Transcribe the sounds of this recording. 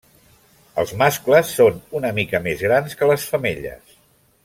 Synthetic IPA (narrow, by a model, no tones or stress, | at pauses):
ə̰lˠzmaskləsːonunəmikəmezɣɾanskələsfəmḛʎə̰s